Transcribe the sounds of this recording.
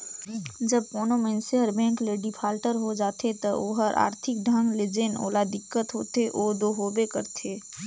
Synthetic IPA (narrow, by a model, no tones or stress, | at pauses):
d͡ʒəb̚koːnomẽnseɦəɾbɛ̃ːŋkleɖipʰaːlʈəɾɦod͡ʒaːt̪et̪əoɦəɾʔa̰ːɾt̪ʰɪk̚ɖʱə̃ŋɡled͡ʒeno̰ːlad̪ɪkːət̪ɦoːt̪eʔoːd̪oːɦoːbekəɾt̪ʰeː